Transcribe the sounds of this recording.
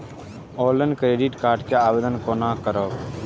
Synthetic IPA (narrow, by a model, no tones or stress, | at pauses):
oːlənkɾeːɖiʈkaːɾʈkeaːʋeːd̪ənkoːnãːkəɾoː